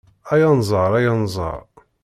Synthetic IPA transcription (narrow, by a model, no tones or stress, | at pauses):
æjɑnzˤəɾˤæjɑnzˤɑ̰ɾˤ